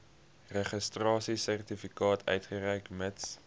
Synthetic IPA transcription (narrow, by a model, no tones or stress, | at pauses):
rəχəstrɑːsisærtifikɑːtʰœ̰ɥtχərɛjkməts